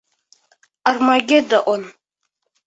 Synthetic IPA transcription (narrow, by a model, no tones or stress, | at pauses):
armaɡʲɪdaʔʷʊn